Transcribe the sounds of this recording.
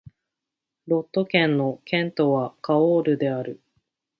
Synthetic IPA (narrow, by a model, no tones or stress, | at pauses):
ɾo̞t̪ːo̞kẽ̞nːo̞kʰẽ̞nt̪o̞βakaoːɾɯ̟d̪e̞aɾɯ̟